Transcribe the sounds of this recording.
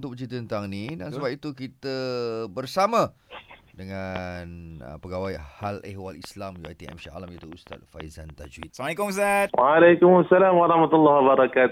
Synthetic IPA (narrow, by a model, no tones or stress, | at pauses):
nt̪ʊkbət͡ʃit̪əənt̪aŋnĩdansəbap̚it̪ukit̪əbərsamã | dəŋanə̰pəɡawajhalehwalislamjuajt̪iɛ̰mʃaa̰lamkit̪uust̪a̰t̪̚fa̰jzant̪a̰d͡ʒwḭt̪smaljkʊmust̪at̪̚waalajkʊmasːalaːmwaɾˤɑhmat̪ulːɑɦwabaɾˤɑkaːt̪